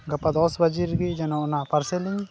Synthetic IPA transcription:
ɡɐpad̪ɔsbɐd͡ʒiɾɡid͡ʒɛnɔnapɐɾsɛliɲ

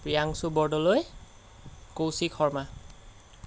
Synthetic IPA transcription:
pɹijaŋsubɔɹdɔloj | kowsikʰɔɹma

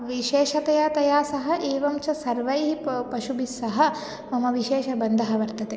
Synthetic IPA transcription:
ʋiʃeːʃɐt̪ɐjaːt̪ɐjaːsɐɦɐ̆ʔeːʋɐmt͡ʃɐsɐɾʋɐjɦipɐʃubisːɐɦɐ̆ | mɐmɐʋiʃeːʃɐbɐnd̪ʱɐɦɐʋɐɾt̪ɐt̪e

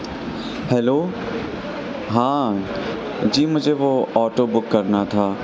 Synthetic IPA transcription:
hɛːloː | ɦãː | d͡ʒiːmʊd͡ʒʱeʋoɔːʈoːbʊkːɐɾnat̪ʰaː

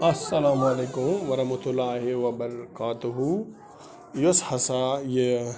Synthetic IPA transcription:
ɐsːɐlaːmɐleːkʊmʋɐɾɐɦmɐt̪ʊlaːɦeʋɐbɐɾkaːt̪ʊɦu | joshɐsaje

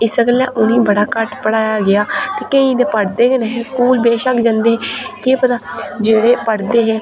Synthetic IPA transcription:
ɪsəɡəlɛ̰ːʔʊnĩːbəɽaːkəʈpəɽaːjaːɡɪaːt̪eːkəĩːd̪epəɽd̪eːkenɛːɦeskuːlbeːʃəkd͡ʒãːnd̪eːɦɛːkeːpət̪aːd͡ʒeːɽeːpəɽd̪eːɦɛː

